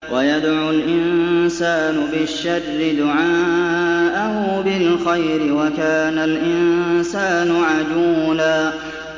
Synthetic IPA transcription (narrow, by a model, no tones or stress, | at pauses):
wajad̪ʕʊlʔɪnsaːnʊbɪʃːarːɪd̪ʊʕaːʔahʊbɪlxajɾɪwakaːnalʔɪnsaːnʊʕad͡ʒuːlaː